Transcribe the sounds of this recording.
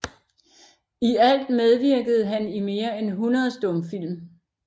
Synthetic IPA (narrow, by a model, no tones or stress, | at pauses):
iæl̰d̥með̞ˠʋiɐɡ̥əð̞̩ˠɦænime̝ːɐenɦunɐðˠsd̥ɔ̽mfil̰m